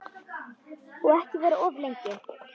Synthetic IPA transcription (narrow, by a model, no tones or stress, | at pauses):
ɔɛhcɪvɛːɾaɔvlejɲcɪ